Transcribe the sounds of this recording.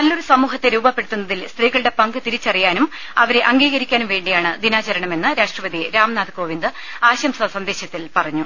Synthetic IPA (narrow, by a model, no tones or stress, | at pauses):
nɐlːoɾusɐmuːɦɐt̪ːe̞ɾuːbɐpːe̞ɽit̪ːun̪ːɐðilst̪riːɣɐɭɨɽe̞pɐŋɡɨt̪iɾit͡ɕːɐrijaːnum | ɐʋɐɾe̞ʔɐŋɡiːɣɐɾikʲːaːnumʋe̞ːɳɖijaːɳɨd̪inaːt͡ɕɐɾɐɳɐme̞nːɨɾaːʂʈrɐʋɐd̪iɾaːmnaːd̪ɨko̞ːʋind̪ɨ | aːɕɐmsɐsɐnd̪e̞ːɕɐt̪ːilpɐrɐɲːu